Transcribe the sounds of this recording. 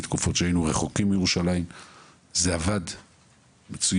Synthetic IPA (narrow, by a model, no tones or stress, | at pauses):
t̪kufo̞tʃeainuʁe̞χo̞kimbijeʁuʃalajim | zeavad | met͡su